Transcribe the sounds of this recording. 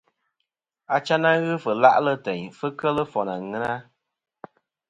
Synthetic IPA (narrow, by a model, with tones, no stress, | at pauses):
a˨t͡ʃa˦na˦ɣɨ˦fɨ˨la̰˦ʔlə˦tɛ˨ɲfɨ˦kə˦lə˦fɔ˨na˨ŋɨ˦na˦